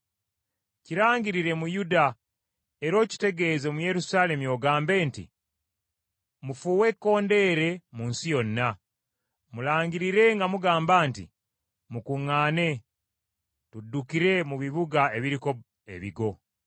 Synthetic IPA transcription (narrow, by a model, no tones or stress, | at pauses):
ciɾaːɲɟiɾiɾe̞mujuda | e̞ɾo̞ːci̥te̞ɡe̞ːze̞muje̞ɾusaːle̞mujo̞ɡaːmbe̞ːntḭ | mufuːwe̞kːo̞ːnde̞ːɾe̞muːnsijo̞nːa | mulaːɲɟiɾiɾe̞ŋɡamuɡaːmbaːntḭ | mukuŋːaːne̞ | tudːukiɾe̞muβiβuɡae̞βiɾiko̞ | ḛβḭɡo̞